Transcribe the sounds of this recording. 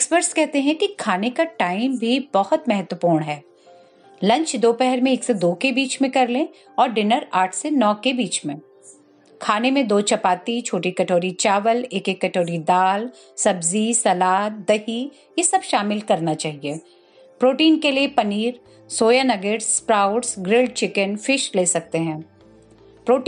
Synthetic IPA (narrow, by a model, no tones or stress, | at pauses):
ɛkspəɾʈskɛɦt̪eɦɛ̃kikʰaːnekaʈaːɪmbʱibɐhʊt̪mɛɦət̪wəpuːɾɳɦɛː | lɐ̃ɲt͡ʃd̪oːpɛɦɛɾmẽeːksed̪oːkebiːt͡ʃmẽkɐɾlẽː | ɔːɾɖɪnəɾaːʈʰsenɔːkebiːt͡ʃmẽ | kʰaːnemẽd̪oːt͡ʃɐpaːt̪it͡ʃʰoːʈikɐʈʰoːɾit͡ʃaːʋəleːkekːɐʈoːɾid̪aːl | sɐbzisɐlaːt̪̚d̪ɐɦi | jesɐbʃaːmɪlkɐɾnat͡ʃaːɦieː | pɾoːʈiːnkeliepɐniːɾ | soːjanɐɡəɾspɾaːʊɖsɡɾɪlɖ̚t͡ʃɪkənfɪʃleːsɐk̚t̪eɦɛ̃ː | pɾoːʈ